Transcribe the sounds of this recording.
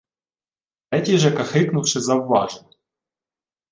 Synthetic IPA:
ɛtʲiʐɛkɐxɪknʊfʂɨzɐvːɑ̰ʐn

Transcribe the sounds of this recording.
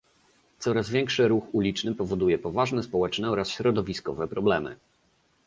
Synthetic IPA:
t̪sɔɾazvʲjɛŋkʂɘɾuxulʲit͡ʂnɘpɔvɔd̪ujɛpɔvaʐnɛspɔwɛt͡ʂnɛɔɾasɕɾɔd̪ɔvʲiskɔvɛpɾɔblɛmɘ̰

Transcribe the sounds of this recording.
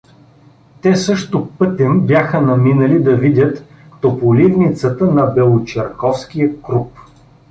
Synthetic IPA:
t̪ɛsɤʃt̪ʊpɤt̪ɛnbjaxənɐminɐlid̪ɐvid̪ʲət̪ | t̪opolivnit̪sət̪ənɐbɛlˠot͡ʃɛɾkɔfskijəkɾup

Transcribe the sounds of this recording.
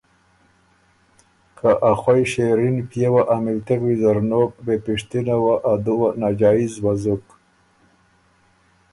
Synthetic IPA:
kʰaʔaxwajʃeɾinpjewaʔamilt̪eɣwizaɾnok̚bepiʂt̪inawaʔad̪uwanad͡ʒɑːizwazuk

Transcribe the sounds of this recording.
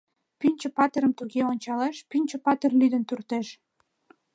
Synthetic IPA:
pynʲt͡ɕə̆pɑt̪eɾəmt̪uɣeonʲt͡ɕɑleʃpynʲt͡ɕə̆pɑt̪erlyd̪ənt̪urt̪eʃ

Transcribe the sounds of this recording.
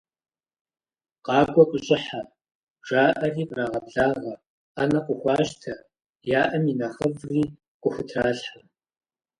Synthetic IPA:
qɑːɡʷɔkʷʼʊɕʼɪħa | ʒ̥aːʔɐriːbraːʁɐbɮaːʁɐ | anɐqʷʊxʷɑːʒtʰɐ | jaːʔɐminɐχəvriː | qʷʼʊxʷʊtʰraːɬħa

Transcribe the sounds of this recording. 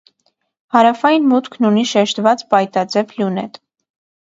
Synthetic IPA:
hɑɾɑfɑjinmut̪kʰnuniʃɛʃt̪vɑt͡spɑjt̪ɑd͡zɛvʰljunɛ̰t̪

